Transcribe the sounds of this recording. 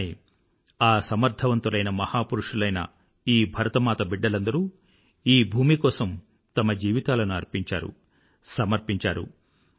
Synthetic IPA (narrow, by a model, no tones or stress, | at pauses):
i | aːsɐmɐɾd̪ʱʰɐʋɐnt̪ulɐjnɐmɐhaːpuɾuʂulɐjnɐ̰ | iːbʱɐɾɐt̪ɐmaːt̪ɐbiɖːɐlɐnd̪ɐɾu | iːbʱuːmikɔːsɐm | t̪ɐmɐd͡ʒiːʋit̪aːlɐnuɐɾpiɲt͡ʃaːɾṵ | sɐmɐɾpiɲt͡ʃaːɾṵ